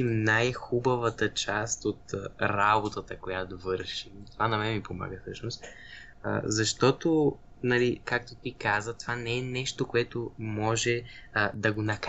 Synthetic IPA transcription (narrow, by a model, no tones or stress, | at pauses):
imnajxubəvət̪ət͡ʃast̪ot̪ɾabot̪ət̪əkojat̪ovɤɾʃimt̪ovanɐmɛmipoma̰ɡəfsɤʃnost̪ | ə̰zɐʃt̪ɔt̪o | nɐlikak̚t̪ot̪ikazət̪ovanɛɛnɛʃt̪okoɛt̪omɔʒɛəd̪ɐɡonɐk